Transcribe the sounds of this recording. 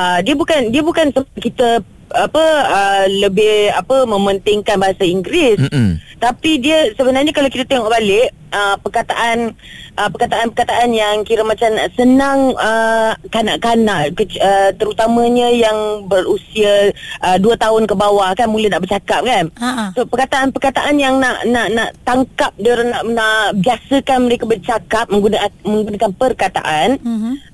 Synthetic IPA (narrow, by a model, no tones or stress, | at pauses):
ʔədiəbukandiəbukansəkit̪ə | apəələbɪhapəmə̃mənt̪ɪŋkanbaɦasaiŋɡɾɪst̪apidiəsəbənarɲakalawkit̪at̪eŋɔʔbalɪʔ | əpərkat̪aʔanʔəpəkat̪aʔanpərkat̪aʔanjaŋkiɾəmat͡ʃamnaʔsənaŋəkanaʔkanaʔkəət̪əɾut̪amãɲə̃jaŋbərusiaʔəduət̪aʊnkəbawahkanmuləhnaʔbərt͡ʃakap̚kansəopərkat̪aʔanpərkat̪aʔanjaŋnaʔnaʔnaʔt̪aŋkap̚daɾanaʔnaʔbiasəkanməɾekabərt͡ʃakap̚mə̃ŋɡunmə̃ŋɡunakanpərkat̪a̰ʔan